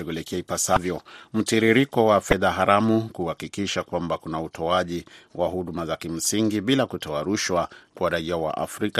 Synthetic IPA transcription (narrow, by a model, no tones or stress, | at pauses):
ɛɡulɛkɛaipasavjɔm̩tiɾiɾikɔwafɛðaɦaɾamukuhakikiʃakwambakunautʰɔaʄiwʔahuɗumazakim̩siŋɡiɓilakutʰɔaɾuʃwakwaɾaiawa̰ʔa̰fɾika